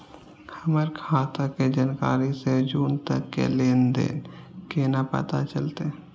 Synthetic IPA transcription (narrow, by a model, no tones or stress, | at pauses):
həməɾkʰaːt̪aked͡ʒənka̰ːɾised͡ʒuːnt̪əkːḛleːnd̪ḛːnkenapə̰t̪at͡ʃəlt̪e